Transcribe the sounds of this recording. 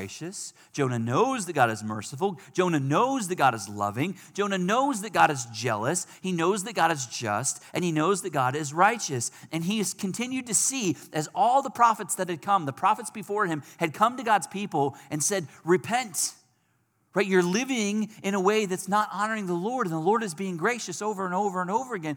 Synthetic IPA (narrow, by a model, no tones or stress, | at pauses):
ɪʃɨsd̥ʒ̥õʊ̃nɨnoʊzðɨt̚ɡ̥ɑ̰ɾɨzmɜ̰˞səfl̩̥ˠʒ̥õʊ̃nɨnoʊzðɨt̚ɡ̥ɑɾɨzlʌ̰vɪ̃ŋd̥ʒ̥õʊ̃ñɨnoʊzðɨt̚ɡ̥ɑɾɨzd͡ʒɛ̰lˠəshinoʊzðɨt̚ɡ̥ɑɾɨzd͡ʒʌ̰stʔɨ̃ninoʊzðɨt̚ɡ̥ɑɾɪzɹaɪt͡ʃɨsɨ̃niz̥kʰɨ̃n̩tʰɪ̃njʉd̚tɨsiʔɨzɔlˠðəpʰɹ̥ɑfɨtsðɨt̚ɨd̚kʰʌ̃mðəpʰɹ̥ɑfɨtsb̥ɨfɔɹɨ̃mɨd̚kʰʌ̃mtɨɡɑdz̥pʰipl̩ˠʔɨ̃nsɛd̚ɹɨpʰɛ̃nt | ɹaɪtə˞lɪvɪ̃ŋɨ̃ñəweɪðɨtsnəɾɑnə˞ɪ̃ŋðəlɔɹɾɨ̃n̩ðəlɔɹɾɨzbiɪ̃ŋɡɹeɪʃɨsoʊvə˞ɨ̃noʊvə˞ɨ̃noʊvə˞ɨɡɛ̃n